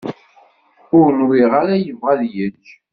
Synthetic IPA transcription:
ʊɾənwiʁaɾæjəvʁaðjət͡ʃː

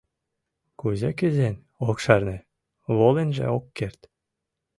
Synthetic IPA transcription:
kuzekɘ̆zenʲ | okʃɑrnĕ | βolenʒḛokːert̪

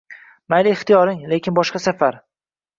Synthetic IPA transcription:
majlɪɪχt̪ijɒɾɪŋle̞kʲʰɪnbɒʃqɑsafaɾ

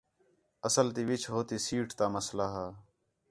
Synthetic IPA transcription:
əsəlt̪iːʋɪt͡ʃɦoːt̪iːsiːʈt̪aːməslaːɦaː

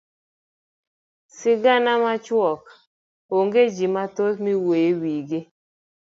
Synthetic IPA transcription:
sɪɡanamat͡ʃwɔk | oŋɡed͡ʒimatomiwewiɡe

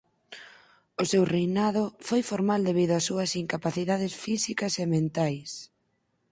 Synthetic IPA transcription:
ʊsewrejnað̞ʊfojfoɾmald̪eβ̞iðʊɐsːuɐsiŋkapaθiðað̞ɪsfisikɐsemẽnt̪ajs

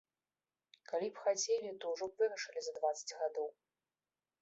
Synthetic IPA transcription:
kalʲipxat͡sʲelʲit̪ɔwʐɔbvɨɾɐʂɨlʲizɐd̪vat̪sːɐ̥d͡zʲɣad̪ɔw

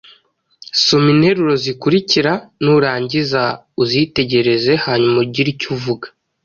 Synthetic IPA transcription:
somine̞ɾuɾo̞zikuɾiciɾanuɾaːɲɟiza | uzite̞ɟe̞ɾe̞ze̞haɲumuɾɟiɾicuvuɡḁ

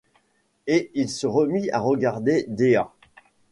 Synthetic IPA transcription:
eilsəʁəmia̰ʁəɡaʁd̪ed̪ea

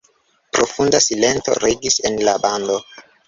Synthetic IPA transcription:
pɾo̞fundasile̞nto̞̰ɾeɡise̞nlabando̞

